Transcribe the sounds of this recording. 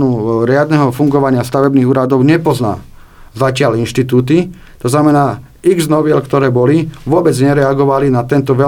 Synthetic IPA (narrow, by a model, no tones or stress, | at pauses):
nuɾɪad̪nɛɦɔfuŋɡɔʋaɲɪast̪aʋɛbniːɣuːɾad̪ɔʊɲɛpɔzna̰ː | zacɪaʎinʃt̪it̪uːt̪̬i | t̪ɔznamɛnaː | iɡznɔʋɪɛlkt̪ɔɾɛːbɔliʋʊɔbɛd͡zɲɛɾɛaɡɔʋalinat̪ɛnt̪ɔʋɛ